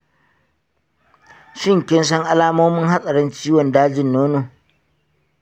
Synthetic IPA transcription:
ʃɪ˦˨ŋkʲɪ˦ns̬ɐ˦ŋʔa˦laː˦moː˦mɪ˦ŋha˦sʼɐ˨ɽɛ˦nt͡ʃiː˦wɔ˨ndaː˦d͡ʒɪ˨nːoː˦noː˨

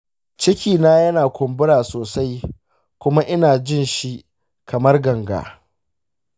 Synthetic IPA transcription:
t͡ʃɪ˦kʲiː˨naː˦jɐ˦naː˨kʷʊ˨mbɪ˦ɾaː˨soː˨sa˦j | kʷʊ˦ma˦ʔɪ˦naː˨d͡ʒɪ˦nʃi˦ʔ | kʰɐ˨mɐ˦rɡɐ˨ŋɡa̰ː˨

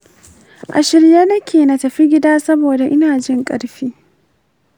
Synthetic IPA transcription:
ʔa̰˨ʃɪ˨ɾjaː˦nɐ˦kʲeː˨nɐ˨tɐ˨ɸi˦ɡʲɪ˦daː˦sɐ˦boː˨da˨ʔɪ˦naː˨d͡ʒɪ˦ŋkʼɐ̰˨ɽɸiː˦

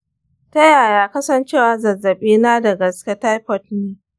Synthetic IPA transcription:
tɐ˦jaː˨jaː˨kɐ˦sɐ˦nt͡ʃeː˦˨waː˨zɐ˨zːɐ˨ɓiː˦naː˦dɐ˨ɡɐ˨skʲa˦ta˦jpɔ˦tneː˦

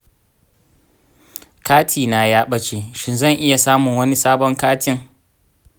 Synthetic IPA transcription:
kaː˦tʰiː˨naː˨jaː˦ɓɐ˦t͡ʃeː˨ʃɪ˦nzɐ˦˨ŋʔɪ˦ja˨saː˦mʊ˨ŋwɐ˦ni˦saː˦bɔ˦ŋkaː˦tʰɪ˦ŋ

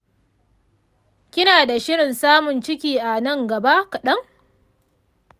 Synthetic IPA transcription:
kʲɪ˦naː˨da˨ʃɪ˦ɽɪ˨nsaː˦mʊ˨nt͡ʃɪ˦kʲiː˨ʔa˨nɐ˦ŋɡɐ˨ba˦kɐ˨ɗɐ˦ŋ

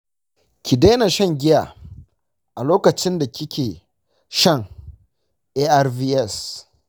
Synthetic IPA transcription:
kʲi˨deː˦na˨ʃɐ˦ŋɡʲɪ˦ja˨ | ʔa˨loː˦kɐ˨t͡ʃɪ˦nda˨kʲɪ˦kʲʰeː˨ | ʃɐ˦˨ŋ | ʔeː˦ʔa˦rviː˦ʔɛ˦˨s

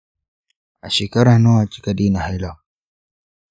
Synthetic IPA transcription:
a̰˨ʃi˨ka˦ɾa˦nɔ˦a˨t͡ʃi̥˦ka˨di˦na˨hɛla˨

